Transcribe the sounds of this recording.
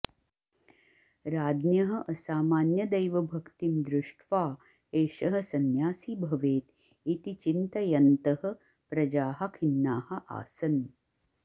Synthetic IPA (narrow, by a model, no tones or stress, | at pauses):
ɾaːd̪njɐɦɐ̆ʔɐsaːmaːnjɐd̪ɐjʋɐbʱɐkt̪imd̪ɾɪʂʈʰʋaː | eːʃɐɦɐ̆sɐnjaːsibʱɐʋeːt̪ | it̪it͡ʃint̪ɐjɐnt̪ɐhɐ̆ | pɾɐd͡ʒaːɦɐ̆kʰinːaːhɐ̆ʔa̰ːsɐn